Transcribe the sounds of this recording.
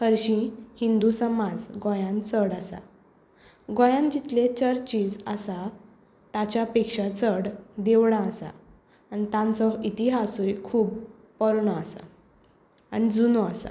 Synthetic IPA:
kəɾɕĩhind̪usəmad͡zɡɔ̃jãnt͡səɽasa̰ | ɡõjãnd͡ʑit̪let͡ɕəɾt͡ɕiːd͡zəsa | t̪at͡ɕjapekʂat͡səɽd̪eʋɽãːsa̰ː | nit̪ãnt͡sɔit̪iɦasuɾikʰuːb | pəɾɳəasa̰ | anid͡zunoəsa̰

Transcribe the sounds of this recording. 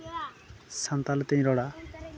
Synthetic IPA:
sant̪alt̪eĩɾɔɽa

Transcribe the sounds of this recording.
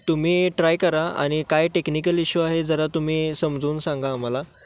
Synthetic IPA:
t̪um̤iːʈɾajkəɾaa̰ɽ̃ikajʈeknik̬əliɕuaɦed͡zəɾat̪um̤iːsəmd͡zuːnsãŋɡaːm̤ala

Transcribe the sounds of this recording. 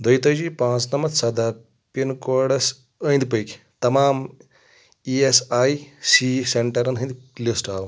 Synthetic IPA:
d̪ojt̪ɐjd͡ʒiːpãːt͡snɐmɐd̪sɐd̪aː | pinkoːɖɐs | ə̃jnd̪ipəjkʲ | t̪ɐmaːm | iesaːjsiseɳʈɐɾɐnd̪ɦɨ̃nd̪ʲilisʈaːwu

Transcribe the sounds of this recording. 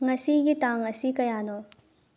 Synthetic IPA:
ŋɐsiɡit̪ãːŋɐsikɐjaːnõː

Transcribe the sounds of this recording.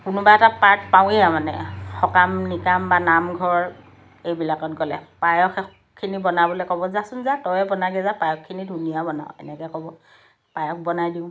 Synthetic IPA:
kʊnʊbaɛtapaɹt̚paw̃ɛamanɛ̰xɔkamnikambanamɡʱɔɹ | ejbilakɔtɡɔlɛpajɔkɛ | kʰːinibɔnabɔlɔkɔbɔzasʊnzatɔjɛbɔnaɡɛzapajɔkkːinidʱunijabɔnaʊ̃ɛ̰nɛkɛkɔbɔ | pajɔk̚bɔnajdiʊ̃

